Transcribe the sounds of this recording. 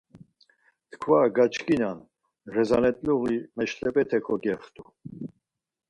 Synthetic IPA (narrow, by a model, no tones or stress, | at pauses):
t̪ʰkʰvaɡat͡ʃkʰʼinan | ɾɛzanɛt̪ʼluɣimɛʃlɛpʼɛt̪ʰɛkʰɔɡɛχt̪ʼu